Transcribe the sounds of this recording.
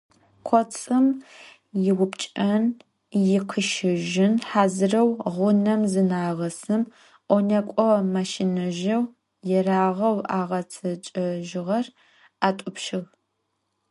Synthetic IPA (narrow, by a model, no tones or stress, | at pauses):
qʷʰɔt͡sʼɨm | jɪwʊpt͡ʃʼɐn | jɪqʰəʃɪʒɪnħaːzɨrɐwʁʷʊnɐmzɨnaːʁɐsɨm | ʔʷɔnɐkʷʼɔmaʃinɐʒɐw | jɛraːʁɐwaːʁɐt͡sʰɐt͡ʃʼɐʒɪʁɐr | aːtʷʼʊpʃɪʁ